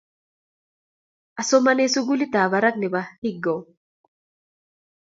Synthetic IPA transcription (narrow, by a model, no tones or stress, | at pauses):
ʔɐsɔmɐnesʊɡʊlɪt̪aːbɐɾɐk̚nɪbɐhɪɡːɔ